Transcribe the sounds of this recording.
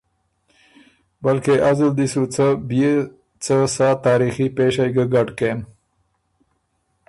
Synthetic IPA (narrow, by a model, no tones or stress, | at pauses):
balkeʔazəld̪isut͡səbie | t͡səsaːt̪ɑːɾixipeʃajɡəɡaʈken